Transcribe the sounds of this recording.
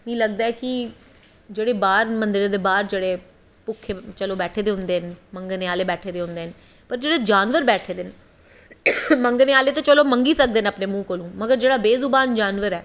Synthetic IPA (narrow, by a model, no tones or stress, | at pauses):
mĩːləɡ̚d̪aːɛːkɪ | d͡ʒeːɽeːbaːɾmənd̪ɪɾeːd̪eːbaːɾd͡ʒeːɽeː | pʊkʰːet͡ʃəloːbɛːʈʰeːd̪eːɦʊ̃nd̪eːɦnməŋɡneːaːleːbɛːʈʰeːd̪eːɦʊ̃nd̪eːn | pəɾd͡ʒeːɽeːd͡ʒaːnʋəɾbɛːʈʰeːd̪ɪn | məŋɡneːaːleːt̪ẽːt͡ʃəloːməŋɡiːsək̚d̪eːnəpneːmũːkoːlũːməɡəɾd͡ʒeːɽaːbeːzʊbaːnd͡ʒaːnʋəɾɛː